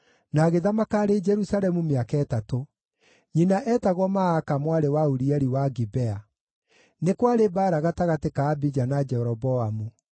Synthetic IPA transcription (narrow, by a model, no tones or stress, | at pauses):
naɣeðamakaːɾed͡ʒɛɾusalɛmumeakaɛtato | ɲinaʔɛtaɣwɔmaakamwaɾewauɾiɛɾiwaɡibɛa | nekwaɾebaːɾaɣataɣatekaːbid͡ʒanad͡ʒɛɾɔbɔamu